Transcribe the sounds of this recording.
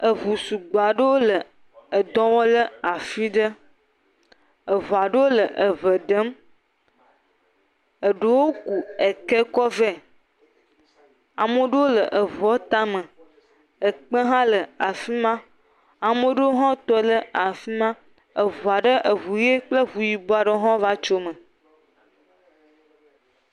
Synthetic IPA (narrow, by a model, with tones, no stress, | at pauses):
ə˨vu˨su˨ɡ͡ba˨ɖə˦wo˦lə˨ | ə˨d̪ɔ̃˦wɔ˦lə˦a˨fi˦ɖə˦ | ə˨vo˨a˨ɖə˦wo˦lə˨ʔə˨və˨ɖə˦m | ə˨ɖə˨wo˦ku˨e˨ke˦kɔ˦ve˦ | a˨mə̃˦ɖə˦wo˦lə˨ʔə˨vɔ˦t̪a˦mə̃˨ | ə˨k͡pə˦ɦã˦lə˨a˨fi˦mã˦ | a˨mə˦ɖə˦wo˦ɦɔ̃˦t̪ɔ˦lə˨a˨fi˦mã˦ | ə˨vo˨a˨ɖə˦ʔə˨vu˨je˦k͡plə˦vu˨ji˨bo˨˦a˨ɖə˦ɦɔ̃˦va˦t͡ʃo˦mə̃˨